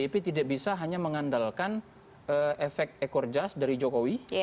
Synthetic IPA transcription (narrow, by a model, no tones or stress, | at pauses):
ipit̪idak̚bisaɦaɲaməŋandalkan | ʔəʔefɛk̚t̪̚ekɔrd͡ʒasdaɾid͡ʒokowi